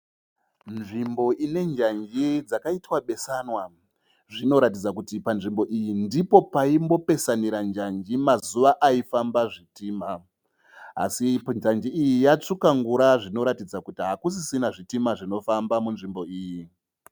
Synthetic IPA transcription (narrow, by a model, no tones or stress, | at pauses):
nʐimbo̞ʔine̞ɲd͡ʒaɲd͡ʒid͡zakaitwaɓe̞sanwa | ʐino̞ɾatid͡zakutipanʐimbo̞ʔijindipo̞paimbo̞pe̞saniɾand͡ʒaɲd͡ʒimazuʋaʔaifambaʐitiːma | a̰siɲd͡ʒand͡ʒiijijat͡ʂukaŋɡuɾaʐino̞ɾatid͡zakutiɦakus̬isinaʐitimaʐino̞fambamunʐimbo̞iːji